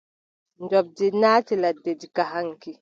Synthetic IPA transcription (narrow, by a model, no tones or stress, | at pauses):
ndɔb̚dinaːtiladed͡ʒikaɦaŋki